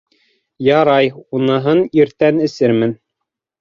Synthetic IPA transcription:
jɑɾɑjunɤ̆ɦɤniɾt̪ænɘ̆sɘɾmɘn

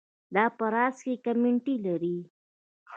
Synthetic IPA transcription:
d̪ɑpəɾɑskekamɪɳʈilaɾi

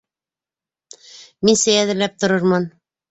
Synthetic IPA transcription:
minsɘjæðɘ̆ɾlæp̚t̪ŏɾɤɾmɤn

